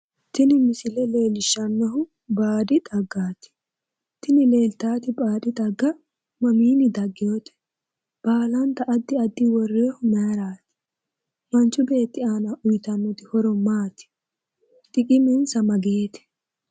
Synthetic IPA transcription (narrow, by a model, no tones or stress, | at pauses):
t̪ɪnɪmɪsɪlɛle̞ːlɪʃːɐnːɐɦʊ | baːd̪ɪt̪ʼɐɡːaːt̪ɪ̥ | t̪ɪnɪle̞ːlt̪aːt̪ɪbaːd̪ɪt̪ʼɐɡːɐ | mɐmiːnɪd̪ɐɡːɪjot̪ɛ̥ | b̥aːlɐnt̪ɐʔɐd̪ːɪɐd̪ːɪwɔrːeːhʊmɐɾaːt̪ɪ̥ | mɐnt͡ʃːʊbe̞ːt̪ːɪaːnɐʔʊjt̪ɐnːɔt̪ɪhɔɾɔmaːt̪ɪ̥ | t̪ʼɪkʼɪmɛnsɐmɐɡeːt̪ɪ̥